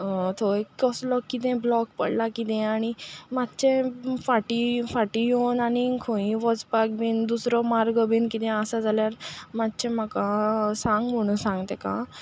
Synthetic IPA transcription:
t̪ʰoekɔslɔkːit̪̬ɛ̃blɔkpə̰ɽlakit̪ẽaɽ̃imat̪ːt͡ɕẽfaʈifaʈijonaɽ̃ikʰõĩʋɔt͡spak̚bind̪usɾɔmaɾɡəbinkit̪ɛ̃əsad͡zaljaɾmat̪t͡ɕẽməkãsãŋɡm̤əɽ̃ũsãŋɡt̪ẽkã̰

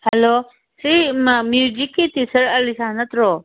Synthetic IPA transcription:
hɛlo | simmud͡ʒikit̪isɐɾɐlisaːɦnɐt̪ɾoː

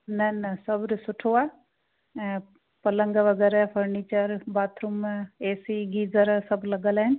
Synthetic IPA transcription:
nɐnɐsɐbɾsʊʈʰoaː | pɐlə̃ŋɡaʋɐɡɛːɾɛpʰɐɾniːt͡ʃəɾbaːt̪ʰɾumeːsiɡiːzəɾsɐblɐɡəlaɦɪn

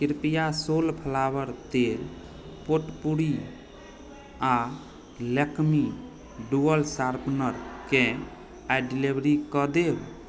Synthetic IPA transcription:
kiɾpijasolpʰəlabəɾd̪el | poʈpuɽi | a | lekmi | ɖuəlsaɾpnəɾkẽ | aɖilebɾikɔd̪eb

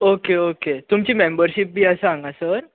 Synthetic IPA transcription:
okeoket̪umt͡ɕiːmembəɾɕip̚bʱiːəsəãŋɡasəɾ

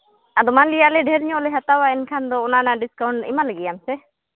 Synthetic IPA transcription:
ad̪ɔmanlijalɛɖʱɛɾɲɔ̃lɛɦat̪awaɛnkʰand̪ɔɔnanaɖiskawɳʈḭmalaɡijamsɛ

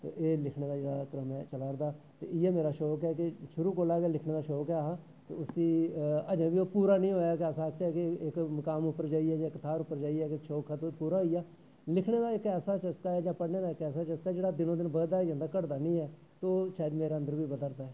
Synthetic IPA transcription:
t̪ḛːʔeːlɪkʰneːd̪aːd͡ʒeːɽaːpɾəmɛ̃t͡ʃəlaːɾd̪aː | t̪ḛːɪɛːmeːɾaːʃoːkɛːkɪʃʊɾuːkoːlaːɡɛːlɪkʰneːd̪aːʃoːkɛːɦaː | t̪ḛʊsĩːəd͡ʒə̃ːʋiːoːpuːɾaːnĩːɦoːjaːkɛːsaːkt͡ʃaɛkɪɪkməkaːmʊpːəɾd͡ʒaːiɛːd͡ʒãːɪkːt̪ʰaːɾʊpːəɾd͡ʒaːiɛːkɪʃoːkʰaːt̪opuːɾaːɦiːaː | lɪkʰneːd̪aːɪkɛːsaːt͡ʃəskaːɛːd͡ʒãːpəɽneːd̪aːɪkɛːsaːt͡ʃəskaːd͡ʒeːɽaːd̪ɪnõːd̪ɪnbəd̪aːd͡ʒə̃nd̪aːkəɽd̪aːnĩːɛː | t̪oːʃaːjd̪meːɾeːə̃nd̪əɾʋiːbəd̪əɾd̪aːɛː

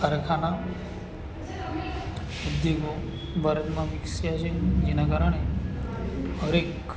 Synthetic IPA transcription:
aɾkʰana | ud̪joɡo | bəɾət̪mãʋɪksjat͡ʃʰed͡ʒenakaɾəɳ̃e | ɦəɾek

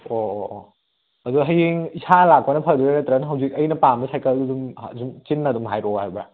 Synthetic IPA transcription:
o | ɐduɦɐjiŋisalak̚panɐpʰaɾduanɐtɾanɦɐwzik̚ɐjnɐpamɐsʰajkɐldudumzumt͡ʃinːɐdumɦajɾɔhajbɐ

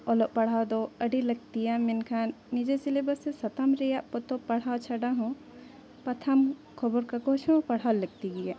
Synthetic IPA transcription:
ɔloʔpɐɽ̤awd̪oɐɖilɐɡ̚t̪ijaminkʰaːnːid͡ʒesilebɐsesɐt̪amɾijaʔpot̪opɐɽ̤ɦawt͡ʃʰɐɖaɦũ | pɐt̪ʰɐm | kʰoboɾkakot͡ʃʰõpɐɽ̤aːlɐɡ̚t̪iɡije

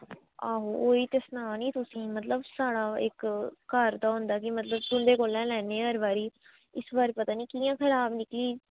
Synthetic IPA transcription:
aːɦoːʔoːiːt̪ɪsnaːniːt̪ʊsĩːmət̪ləbsaːɽaːɪkːəɾd̪aːɦʊ̃nd̪aːkɪmət̪ləbt̪ʊnd̪eːkoːlɛ̃ːlɛːneːəɾbaːɾiː | ɪsbaːɾeːpət̪aːniːkiːjãːkʰəɾaːbnɪkliː

